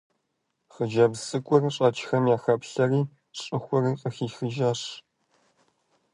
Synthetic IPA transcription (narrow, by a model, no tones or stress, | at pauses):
χəʒɐbsʼɨkʷʼʊrɕʼɐt͡ʃʰʼxɐmjaːxɐpɬɐriː | ɕʼɨxʷʊriqʼəxiːxɨʒaːɕ